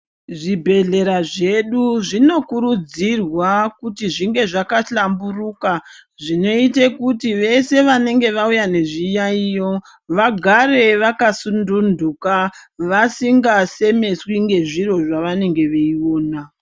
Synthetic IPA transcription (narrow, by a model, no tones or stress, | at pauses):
ʐibʱe̞ɮe̞ɾaʐe̞ɗuʐino̞kuɾud͡zirwakutiʐiŋɡe̞ʐakaɬamburuka | ʐino̞itekutiʋe̞se̞ʋane̞ŋɡe̞ʋaujane̞ʐijaijo̞ | ʋaɡʱare̞ʋakasundundukaʋasiŋɡase̞me̞swiŋɡe̞ʐiro̞ʐaʋane̞ŋɡe̞ʋeio̞ːna